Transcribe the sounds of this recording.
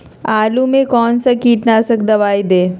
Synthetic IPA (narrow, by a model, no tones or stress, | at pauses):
aːlumẽkɔːnsakiːʈnasɐkd̪ɐʋaːid̪eː